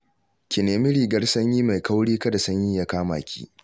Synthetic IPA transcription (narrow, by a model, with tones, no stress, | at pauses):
kʲɪ˨neː˨mɪ˦ɽiː˨ɡɐ˦rsɐ˦ɲjiː˦ma˨jka˦wɽiː˦kɐ˦da˨sɐ˦ɲji˦ja˦kaː˦ma̰ː˨kʲʰḭː˦